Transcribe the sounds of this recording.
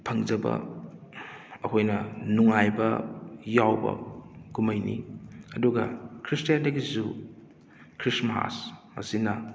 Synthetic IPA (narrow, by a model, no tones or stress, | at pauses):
pʰɐŋd͡ʒɐbɐ̰ | ɐhʰojnɐnuŋajbɐjawbɐ̰ɡumɐjnḭɐduɡɐ̰kʰɾistijandɐɡizu | kʰɾisma̰s | ɐ̰sinɐ